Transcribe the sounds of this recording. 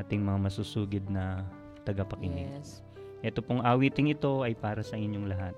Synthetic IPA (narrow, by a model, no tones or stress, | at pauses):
aːt̪ɪŋmɐŋamɐsuːsuːɡɪd̪̚nɐ | t̪ɐɡɐpɐkɪnɪɡ | ʔɛːt̪o̞poŋʔaːwiːt̪ɪŋɪt̪o̞ʔɐjpaːɾɐsɐʔɪɲjoŋlɐɦat̪̚